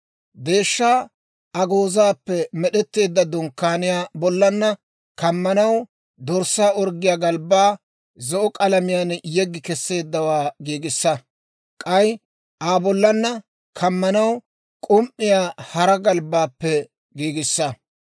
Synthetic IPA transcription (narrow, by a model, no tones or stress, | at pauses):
d̪e̞ːʃːaː | ɐɡo̞ːzaːpːɛmɛɗɛt̪ːe̞ːd̪ːɐd̪ɔŋkːaːnɪjaːbɔlːɐnːɐ | kɐmːɐnɐw | d̪ɔɾsaːɔɾɡɪjaːɡɐlbaː | zɔʔɔkʼɐlɐmɪjanjɛɡːɪkɛsːe̞ːd̪ːɐwaːɡiːɡɪsːɐ | kʼɐj | ʔaːbɔlːɐnːɐ | kʰɐmːɐnɐw | kʼʊmʔɪjaːhɐɾɐɡɐlbaːpːɛ | ɡiːɡɪsːɐ